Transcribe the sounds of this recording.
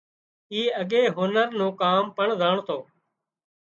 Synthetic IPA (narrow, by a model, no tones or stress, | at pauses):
iːəɠeːɦʊnəɾnũːkaːmpəɳzaːɳt̪ʰoː